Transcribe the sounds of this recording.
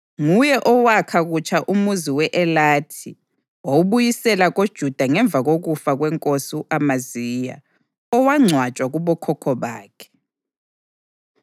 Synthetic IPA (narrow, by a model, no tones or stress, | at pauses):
ŋujɛʔɔwakʰaɣut͡ʃʰʼaʔumuziwɛʔɛlaːtʰi | oβujisɛlaɣod̥ʒ̥ʱud̥ʱaŋɛɱb̪vʱaɣoɣufaɣwɛŋkʼosiʔamaziːja̰ | ɔwaŋ͡ǀʱwat͡ʃʼwaɣuβɔkʰɔkʰɔβa̰ːkʰɛ̥